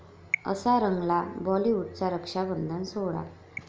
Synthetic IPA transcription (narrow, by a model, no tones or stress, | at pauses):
ə̰saɾəŋɡlabɔliuɖt͡saɾəkʂabənd̪ʱənsoɭa̰